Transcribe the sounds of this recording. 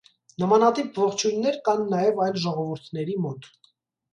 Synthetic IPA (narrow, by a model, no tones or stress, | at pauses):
nəmɑnɑt̪ipʰvɔχt͡ʃʰujnːɛɾkɑnːɑjɛvɑjlʒɔʁɔvəɾt̪ʰnɛɾimɔt̪